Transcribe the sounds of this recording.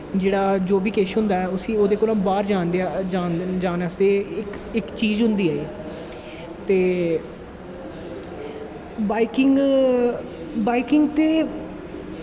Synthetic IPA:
d͡ʒeːɽaːd͡ʒoːbiːkeːʃɦʊ̃nd̪aːɛːʊsĩːoːd̪eːkoːlãːmbaːɾd͡ʒaːnd̪ead͡ʒaːd͡ʒaːnasd̪eːɪk | ɪkt͡ʃiːzɦʊ̃nd̪iːaːeː | t̪eː | baːikɪŋɡ | baːikɪŋɡt̪eː

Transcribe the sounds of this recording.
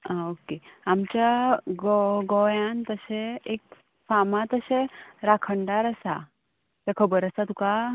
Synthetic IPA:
aokeamt͡ɕaɡɔɡɔjant̪əseek | famãt̪əseɾakʰəɳɖaɾəsa | t̪akʰəbəɾəsat̪uka

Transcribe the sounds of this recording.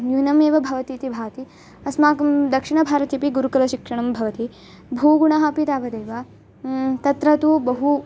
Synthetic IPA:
njunɐmeːʋɐbʱɐʋɐt̪iːt̪ibʱaːt̪i | ɐsmaːkɐmd̪ɐkʂiɳɐbʱaːɾɐt̪ipiɡuɾukɐlɐʃikʂɐɳ̃ɐmbʱɐʋɐt̪i | bʱuːɡuɳɐɦɐpit̪aːʋɐd̪eːʋɐ | t̪ɐt̪ɾɐt̪ubɐɦu

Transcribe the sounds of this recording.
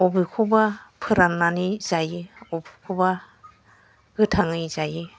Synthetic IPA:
ɔbikʰubapʰɯɾanːanizajiɔbi̥kʰuba | ɡɯtʰaŋɯjzaji

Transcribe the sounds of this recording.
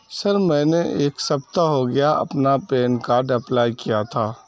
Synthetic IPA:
sɐɾmɛ̃ːneʔeːksɐpt̪aɦoɡɐjaʔɐ̰pnapeːnkaːɾɖəplaːjkijat̪ʰaː

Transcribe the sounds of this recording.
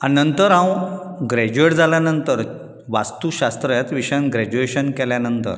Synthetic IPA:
anənt̪əɾãw | ɡɾɛd͡ʑueʈd͡zaljanənt̪əɾ | ʋast̪uɕast̪ɾəjat̪ʋiɕãnɡɾɛd͡ʑueɕənkɛljanənt̪ə̰ɾ

